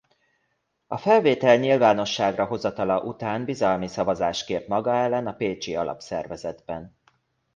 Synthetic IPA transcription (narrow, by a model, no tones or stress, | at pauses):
ɒfɛlveːt̪ɛlɲilvaːno̞ʃːaːɡrɒɦo̞zɒt̪ɒlɒʔut̪aːnbizɒlmisɒvɒzaːʃkeːpmɒɡɒɛlːɛnɒpeːt͡ʃiɒlʔɒ̰psɛ̰rvɛzɛd̪bɛn